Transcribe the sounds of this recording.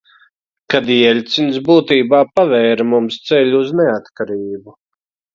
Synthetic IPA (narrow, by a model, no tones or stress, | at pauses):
kad̪iɛlʲt̪sinsbuːt̪iːbaːpavɛːɾmumst̪sɛʎʲːznɛat̪kaɾiːbu